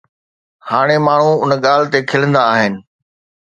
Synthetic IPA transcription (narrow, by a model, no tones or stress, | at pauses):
haːɽ̃emaːɳ̤ũʊnɠaːl̤ɪt̪ekʰɪlə̃nd̪aːɦɪnɪ̆